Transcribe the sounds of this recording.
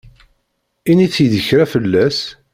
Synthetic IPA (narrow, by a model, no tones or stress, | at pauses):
init͡sːjəðəçɾafəlːæs